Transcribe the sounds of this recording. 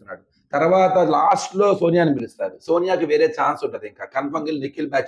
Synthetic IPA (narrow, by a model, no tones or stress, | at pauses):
nːa̰ːɽu | t̪ɐɾʋaːt̪ɐlaːsʈlo̞ːsoːnijaːnipilist̪a̰ːɾuso̞ːnijaːkiʋeːɾeːt͡ʃaːnsuɳʈːɐd̪iŋkaːkɐnpɐŋɡilnikːilbaːt͡ʃ